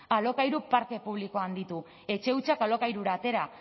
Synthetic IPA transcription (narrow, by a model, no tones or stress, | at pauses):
alo̞kajɾupaɾk̪e̞puβ̞liko̞and̪it̪u | e̞t͡ʃe̞ut͡ʃakalo̞kajɾuɾaːt̪e̞ɾa